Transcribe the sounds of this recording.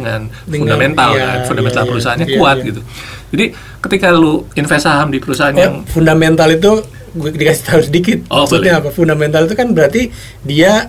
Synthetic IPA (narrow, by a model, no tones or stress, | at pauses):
əŋandəfundament̪alka̰nfundamɛnt̪alpəɾusaɦanɲakuat̚ɡit̪u | d͡ʒadi | kət̪ikaluinfɛsaɦamdipəɾusaɦanjaŋfundament̪alit̪̬u | ɡdikasɪ̥t̪aʊsədikɪt̪̚ɔsut̪ɲaapafundamɛnt̪alit̪̬ukanbəɾart̪i | dia